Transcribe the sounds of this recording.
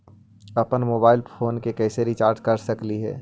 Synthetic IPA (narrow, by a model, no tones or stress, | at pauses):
ɐpənmoːbaːɪlpʰoːnkekɛːseɾit͡ʃaːɾʈkɐɾsɐkliɦɛ̰ː